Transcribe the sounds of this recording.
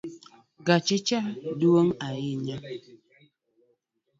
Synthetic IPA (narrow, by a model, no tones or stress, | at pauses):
ɡat͡ʃet͡ʃaduoŋajiɲa